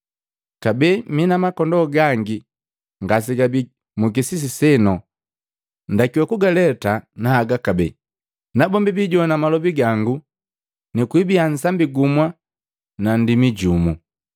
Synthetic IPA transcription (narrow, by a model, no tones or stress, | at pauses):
kabɛminamakɔndɔɡaŋɡi | ŋɡas̬iɡabi | muk̬isis̬isɛnɔ | ndakiwakuɡalɛtanaːɡakabɛ | nabɔmbibiɟɔnamalɔbiɡaŋɡu | nikuibian̩sambiɡumwa | nandimiɟumu